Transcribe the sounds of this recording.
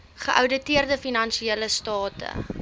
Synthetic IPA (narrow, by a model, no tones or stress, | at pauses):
χəʔœwdətiərdəfinɐnʃieləstɑːtə̰